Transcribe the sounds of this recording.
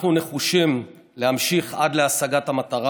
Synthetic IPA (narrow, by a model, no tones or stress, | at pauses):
χnune̞χuʃim | lehamʃiχad̪leasaɡathamat̪aʁa